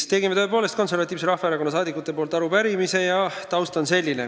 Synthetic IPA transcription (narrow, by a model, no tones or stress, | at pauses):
t̪e̞ɡimet̪øe̞po̞ːle̞st̪̚ko̞nse̞rvɑt̪ʲːˑiːvseɾɑfɑeɾɑko̞nːɑsɑːd̪ikːˑut̪ːˑe̞po̞ːlt̪ːˑɑɾupæɾimise̞jɑt̪ɑwst̪ɑnse̞lʲːine̞̰